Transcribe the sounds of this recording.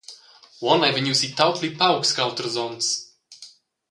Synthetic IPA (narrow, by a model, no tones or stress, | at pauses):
wɔnajvɛɲʲusit̪awt̪ʰlipawkskawt̪əɾzɔ̃nts